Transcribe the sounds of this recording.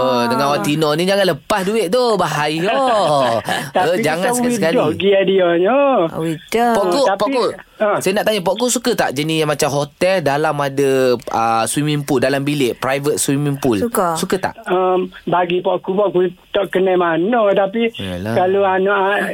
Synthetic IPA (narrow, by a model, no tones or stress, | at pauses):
odəŋãnwat̪inɔnĩd͡ʒaŋãnləpasduɪʔ̚t̪obaɦajɔ | t̪aəid͡ʒaŋanswkaiədkaliɡiadiɔɲɔ̰widopɔʔkot̪apɔʔko | əsajanaʔt̪aɲapɔʔkusukət̪a̰ʔd͡ʒanijaŋmat͡ʃamɦot̪ɛldalamadəəswimimpuldalambileʔpɾajvət̪̚swimĩmpulukasukət̪a̰ʔəmbaɡipɔʔkupɔʔkut̪ɔʔkənamanɔt̪apia̰la̰kaloanɔʔa